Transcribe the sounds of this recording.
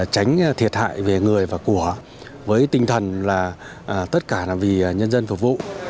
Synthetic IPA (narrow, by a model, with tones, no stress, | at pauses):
t͡ɕa˨˦jŋ̟˧t̪ʰi˨˩ət̚ha̰ː˧˨jve˨˩ŋɨ˨˩əjvaː˨˩ku˧˩ə | vəː˨˦jt̪ï˧ŋ̟t̪ʰə˨˩nlaː˨˩ | ʔːt̪ə˦˥t̚kaː˧˩aː˨˩vi˨˩˨ɲə˧nzə˧nfu˨˩vṵ˧˨